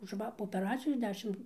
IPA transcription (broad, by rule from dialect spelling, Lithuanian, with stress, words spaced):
ʊʃ ˈʋɐ poː oːpʲɛˈrɑːt͡sʲɪjoːs ˈdʲæːʃʲɪm